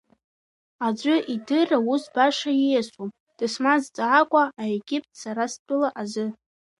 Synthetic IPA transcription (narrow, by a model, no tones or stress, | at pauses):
ad͡ʒʷʼʊʔidɨrausbaʂajijasom | d̥ɨsmazt͡sʼaʕakʷʼaaeɡʲip̚ʰʼtʰsaɾast͡pʼɨlaʔazɨ